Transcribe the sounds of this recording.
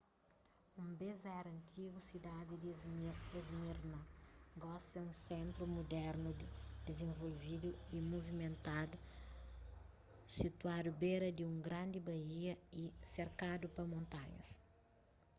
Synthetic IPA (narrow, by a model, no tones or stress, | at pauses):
ũmbezɛɾɐ̃nt̪ʰiɡusid̪ad̪id̪izezmiɾnɐɡɔst̪ɐũsẽnt̪ɾumud̪ɛɾnud̪id̪ezẽɱvolvid̪uimuvimẽnt̪ad̪u | sit̪uad̪ubeɾɐd̪iũŋɡɾãnd̪ibɐiɐiseɾkad̪upɐmõnt̪aɲɐ̰s